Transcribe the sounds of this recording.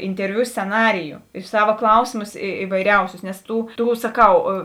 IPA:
ɪnʲtʲɛrʲˈʋʲʊ sʲt͡sʲɛˈnɑːrʲɪjʊ ɪr ˈsɑːʋɐ ˈklˠɐʊsʲeːmʊs ɪ ɪʋɐɪˈrʲɛʊsʲʊs nʲɛs ˈtuː ˈtuː sɐˈkɐʊ

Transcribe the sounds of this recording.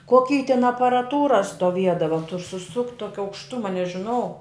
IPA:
koːˈkʲiː tʲɪn ɐpɐrɐˈtuːrɐ stoːˈʋʲiɛdɐʋɐ tʊr sʊˈsʊktʲ ˈtoːkʲɪ ɐʊkʃˈtʊmɐ nʲɛʒʲɪˈnɐʊ

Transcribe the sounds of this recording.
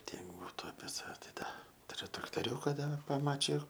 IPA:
ˈtʲiɛk ˈbuːtʊ ɐpʲiɛ sɐˈʋʲɛ tɐɪ ˈdɐ tʊˈrʲʊ trɐktoːˈrʲuːkɐ dɐr pɐˈmɑːt͡ʃʲɪjʊ

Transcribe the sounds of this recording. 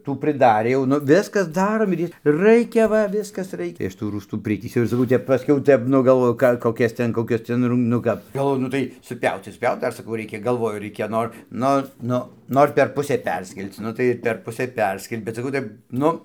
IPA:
ˈtuː pʲrʲɪˈdɑːrʲeː jɛʊ ˈnʊ ˈʋʲɪskɐs ˈdɑːroːm ɪr ˈjiɛ ˈrɐɪkʲɛ ˈʋɐ ˈʋʲɪskɐs ˈrɐɪkʲɛ tɐɪ ˈɐʃ tuː ˈruːstuː ˈpʲrʲɪtʲiːsʲɛʊ ɪr sɐˈkɐʊ ˈtʲɛp pɐˈsʲkʲɛʊ ˈtʲɛp ˈnʊ ɡɐlˠˈʋoːjʊ ˈkɑː koːˈkʲɛs ˈtʲɛn koːˈkʲɛs ˈtʲɛn rʊm nʊ ˈkɐp ɡɐlˠˈʋoːjʊ nʊ ˈtɐɪ sʊˈpʲɛʊt͡s tɐɪ sʊˈpʲjɛʊt ˈdɐr sɐˈkɐʊ ˈrʲɛɪkʲɛ ɡɐlˠˈʋoːjʊ ˈrʲɛɪkʲɛ ˈnoːr ˈnʊ ˈnʊ ˈnoːr pʲɛr ˈpʊsʲeː ˈpʲɛrʲsʲkʲɛlʲt͡s ˈnʊ tɐɪ pʲɛr ˈpʊsʲeː ˈpʲɛrʲsʲkʲɛlʲɪ bʲɛt sɐˈkɐʊ ˈtɐɪp ˈnʊ

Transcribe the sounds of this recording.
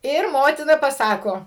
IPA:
ˈɪr ˈmoːtʲɪnɐ pɐˈsɑːkoː

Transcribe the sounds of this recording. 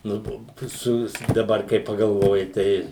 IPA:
ˈnʊ toː ˈsʊʋʲɪs dɐˈbɐr kɐɪ pɐɡɐlˠˈʋoːjɪ ˈtʲɛɪ

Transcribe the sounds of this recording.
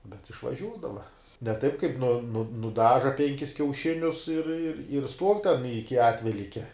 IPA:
bʲɛt ɪʃʋɐˈʒʲuːdɐʋɐ nʲɛ ˈtɐɪp kɐɪp nʊ nʊ nʊˈdɑːʒɐ ˈpʲɛŋʲkʲɪs kʲɛʊˈʃʲɪnʲʊs ɪr ɪr ɪr stuɔw tʲɛn ˈɪkʲɪ ˈɑːtʲʋʲɛlʲiːkʲɛ

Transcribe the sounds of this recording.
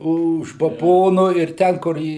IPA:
ʊʃ bɐˈboːnoː ɪr ˈtʲɛn kʊr ˈiː

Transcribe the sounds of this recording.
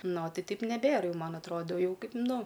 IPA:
ˈnoː ˈtɐɪ ˈtɐɪp nʲɛˈbʲeːr ˈjɛʊ ˈmɐn ɐtˈroːdoː ˈjɛʊ ˈkɐɪp ˈnʊ

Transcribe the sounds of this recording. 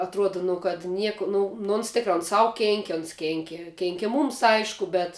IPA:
ɐtˈruɔdɐ nʊ kɐt ˈnʲiɛkʊ ˈnʊ nʊ oːns ˈtʲɪkrɐ oːn ˈsɐʊ ˈkʲeːŋʲkʲɪ oːns ˈkʲeːŋʲkʲɪ ˈkʲeːŋʲkʲɪ ˈmuːms ˈɐɪʃkʊ ˈbʲɛt

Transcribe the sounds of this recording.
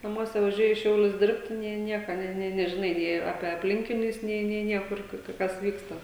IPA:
nɐˈmuɔsʲɛ ʋɐˈʒʲuɔjɪ iː ˈʃʲɛʊlʲʊs ˈdʲɪrʲpʲtʲɪ nʲeː ˈnʲiɛkɐ ˈnʲeː nʲeː nʲɛʒʲɪˈnɐɪ nʲeː ˈɑːpʲɛ ɐpʲˈlʲɪŋʲkʲɪnʲʊs ˈnʲeː nʲeː ˈnʲiɛkʊr ˈkʊr kɐ ˈkɐs ˈʋʲiːkstɐ

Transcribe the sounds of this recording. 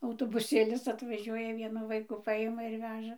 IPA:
ɐʊtoːbʊˈsʲeːlʲɪs ɐtʋɐˈʒʲuɔjɛ ˈʋʲiɛnʊ ˈʋɐɪkuː ˈpɐɪmɐ ɪr ˈʋʲæːʒɐ

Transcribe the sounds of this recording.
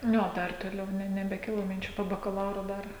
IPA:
ˈnʲʊ oː ˈdɐr toːˈlʲɛʊ nʲɛ nʲɛbʲɛˈkʲɪlˠoː mʲɪnʲˈt͡ʃʲuː poː bɐkɐˈlˠɐʊroː ˈdɐr

